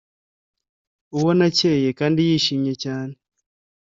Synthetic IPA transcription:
uwonaceːjekaːndijiːʃiːɲɲe̞caːne

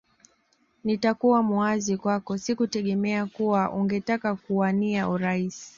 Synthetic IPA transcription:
nitakuwamuazikwakɔsikutɛɠɛmɛakuwaʔuŋɡɛtakakuaniauɾaisi̥

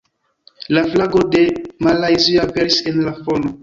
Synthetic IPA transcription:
laflaɡode̞malajziapeɾisenlafono

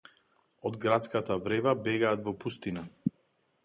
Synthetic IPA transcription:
ɔd̪ɡɾat̪skat̪avɾɛvabɛɡaːt̪vɔpust̪ina

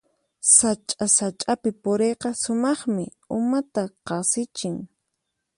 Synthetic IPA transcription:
sat͡ʃʼasat͡ʃʼapɪpʊɾejqɑsʊmɑχmɪ̰ | ʊmat̪aqɑsɪt͡ʃɪŋ

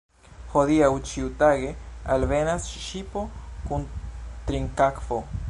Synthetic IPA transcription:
hodiawt͡ʃiut̪aɡe̞alvenasʃipokunt̪ɾiŋkakfo

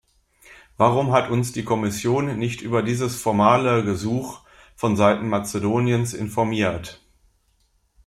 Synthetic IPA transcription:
vaːʁʊmɦatʰʊnsd̥iːkʰɔmɪsjoːnːɪçtʔyːbɐdiːzəsfɔɐmaːləɡəzuːx | fɔnzaɪtn̩mat͡sədoːnjənsʔɪ̰nfɔɐmiːɐt

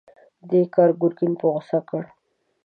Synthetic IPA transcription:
d̪ekɑɾɡʊɾkɪnpoɣʊsakəɽ

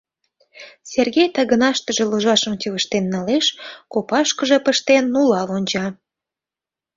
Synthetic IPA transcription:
serɣejt̪ɑɣənɑʃt̪əʒĕluʒɑʃə̆mt̪ʲyβəʃt̪enːɑleʃkopɑʃkəʒepəʃt̪enːulɑlonʲt͡ɕɑ

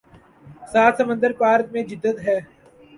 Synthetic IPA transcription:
saːt̪səmə̃nd̪əɾpaːɾt̪̚mẽd͡ʒɪd̪ːət̪ɦɛː

